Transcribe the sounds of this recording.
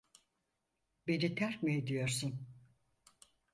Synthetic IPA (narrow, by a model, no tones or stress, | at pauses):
be̞nit̪ʰæɾkmejd̪ijo̞ɾsun